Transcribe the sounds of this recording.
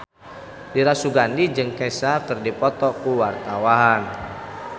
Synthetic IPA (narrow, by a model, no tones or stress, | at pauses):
diɾasuɡandid͡ʒɨŋkɛsakɨrdipɔt̪ɔkuwart̪awaɦan